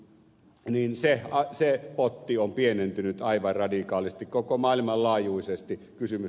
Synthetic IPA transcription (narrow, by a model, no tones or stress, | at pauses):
niːnseɑsepot̪ːiompienent̪ynyt̪ɑˑiʋɑrrɑdikɑːlist̪ikkokomɑˑilʲimɑllɑːjˑuisest̪i | kysymy